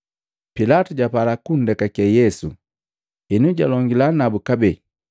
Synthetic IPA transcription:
pilatuɟapalakun̩dɛkakɛjɛsṵ | ɛnuɟalɔŋɡilanabukabɛ

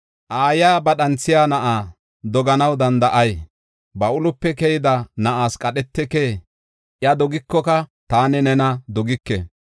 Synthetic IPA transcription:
ʔaːjaːbɐɗɐnt͡sːɪjaːnɐʔaː | d̪ɔɡɐnɐwd̪ɐnd̪ɐʔɐj | bɐʔʊlʊpːɛkɛjɪd̪ɐnɐʔaːskʼɐɗɛt̪ːɛkeː | ʔjɐd̪ɔɡɪkːɔkɐt̪aːnɛnɛnɐd̪ɔɡɪkːɛ̰

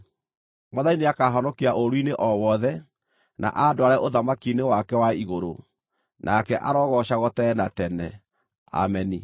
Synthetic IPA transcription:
mɔðaineakaɦɔnɔkiaʔoɾwineʔɔwɔðɛ | na̰ʔadoaɾɛʔoðamakinewakɛwaiɣoɾo̰ | nʔakɛʔaɾɔːɣɔɕaɣɔtɛnatɛnɛ | a̰mɛni

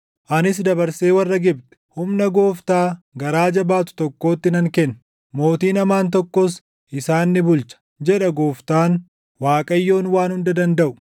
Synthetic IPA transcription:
ʔɐnɪs̬d̪ɐbɐɾseːwɐrːɐɡɪb̚t̪ɛ̥hʊmnɐɡo̞ːft̪aːɡɐɾaːd͡ʒɐbaːt̪ʊ̥t̪ɔkːo̞ːt̪ːɪnɐŋkɛn | mo̞ːt̪iːnɐmaːnt̪ɔkːɔs | ʔɪsaːnːɪbʊlt͡ʃɐ̥ | d͡ʒɛᶑɐɡoːft̪aːn | waːkʼɐjːo̞ːnwaːnhʊnd̪ɐd̪ɐnd̪ɐʔʊ̥

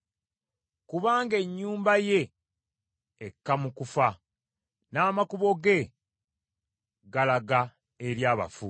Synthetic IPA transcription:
kuβaːŋɡe̞ɲːuːmbaje̞ | kːamukufa | naːmakuβo̞ɡe̞ | ɡalaɡa | eɾjaːβa̰fu

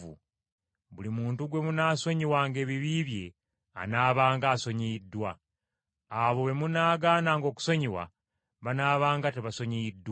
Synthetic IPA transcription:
ṵ | βulimuːntuɡwe̞munaːso̞ɲiwaːŋɡe̞ːβiβiːβje̞ | a̰naːβaːŋɡaːso̞ɲiidːwaː | βo̞βe̞munaːɡaːnaːŋɡo̞ːku̥so̞ɲiwa̰ | βanaːβaːŋɡateβaso̞ɲiidːw

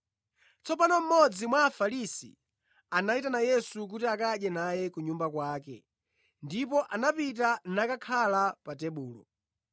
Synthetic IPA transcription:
t͡sɔpanɔm̩mɔd͡zimwaːfalisḭ | anaitanajɛsuk̬utiakaʄjɛnajɛkuɲumbakwaːkɛ̰ | ndipɔʔanapit̬anakakʰalapatɛɓuːlɔ̰

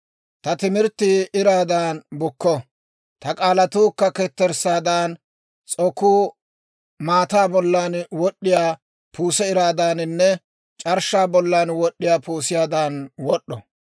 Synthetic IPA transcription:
t̪ɐt̪ɪmɪɾt̪ːɪɪɾaːd̪aːnbʊkːɔ | t̪ɐkʼaːlɐt̪uːkːɐkɛt̪ːɛɾsaːd̪aːn | t͡sʼɔkːuː | maːt̪aːbɔlːaːnwɔɗːɪjaː | puːsɛɪɾaːd̪aːnnːɛ | t͡ʃʼɐɾʃaːbɔlːaːnwɔɗːɪjaːpuːsɪjaːd̪aːnwɔɗːɔ

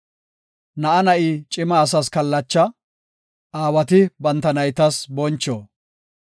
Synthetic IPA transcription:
nɐʔɐnɐʔiːt͡ʃʼɪmɐːs̬ɐskɐlːɐt͡ʃːɐ | aːwɐt̪ɪbɐnt̪ːɐnɐjt̪ɐsbɔnt͡ʃːoː

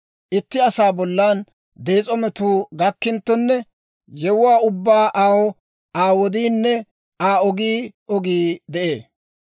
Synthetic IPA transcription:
ʔɪt̪ːɪɐsaːbɔlːaːn | d̪eːt͡sʼɔmɛt̪uːɡɐkːɪnt̪ːɔnːɛ | jɛwʊwaːʊbːaːʔaːwɔ | aːwɔd̪iːnːɛ | aːɔɡiːɔɡiːd̪ɛʔḛː

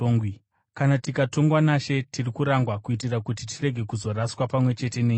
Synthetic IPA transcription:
oŋɡwi | kanatikato̞ŋɡwanaʃe̞tʰirikuɾaŋɡwakuit̬irakutitire̞ɡʱe̞kuzo̞raswapamwe̞t͡ʃe̞te̞neːɲ

